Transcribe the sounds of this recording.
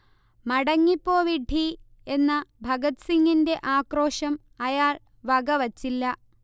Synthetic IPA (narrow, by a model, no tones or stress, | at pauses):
mɐɽɐŋːipːo̞ːʋiɖʱi | e̞nːɐbʱɐɡɐt̪siŋːinde̞ʔaːkro̞ːʂɐm | ɐjaːɭ | ʋɐɡɐʋɐt͡ɕːilːɐ